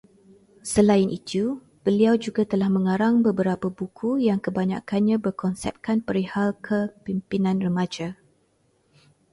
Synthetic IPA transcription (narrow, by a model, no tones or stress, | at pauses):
səlainʔit̪u | b̥əliawd͡ʒuɡat̪əlahmə̃ŋaɾaŋbəbəɾapabukʰujaŋkəbaɲa̰kanɲãbərkʰɔnsɛ̰p̚kanpəɾihalkʰəpimpinãnrəmãd͡ʒa